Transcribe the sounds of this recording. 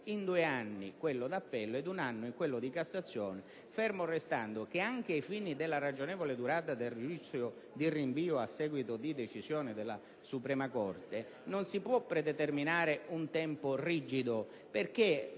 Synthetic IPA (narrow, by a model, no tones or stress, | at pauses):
ind̪uːeanːikwelːʊd̪apːɛlːoɛd̪unanːʊiŋkwelːʊd̪ikasːat̪sːjɔːnɪ | fɛrmorest̪and̪ʊk̟eaŋk̟eaifinid̪elːarad͡ʒonɛːvoled̪uɾaːt̪ad̪elred͡ʒit̪sɾjo | d̪iriɱviːoasːɛːɡwit̪ʊd̪id̪et͡ʃizjɔːnɪd̪elːa̰ | supɾɛːmakɔrt̪e | nonsipwɔpːɾɛd̪ɛt̪erminaːɾeunt̪ɛmpʊrid͡ʒid̪ʊ | perk̟e